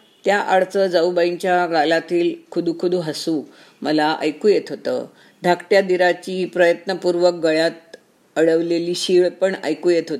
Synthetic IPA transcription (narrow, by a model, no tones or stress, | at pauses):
t̪jaʔaɭt͡səd͡zaubaiɲt͡ɕjaɡalat̪iːlkʰud̪ʱukʰud̪ʱũɦəsuː | məlaʔa̰jkuːjet̪ɦot̪ə̰ː | d̪ʱakʈjad̪iɾat͡ɕiːpɾəjət̪nəpuɾʋək̚ɡəɭjat̪̚ | əɽəʋleliːɕiɭpəɳa̰jkuːjet̪ɦot̪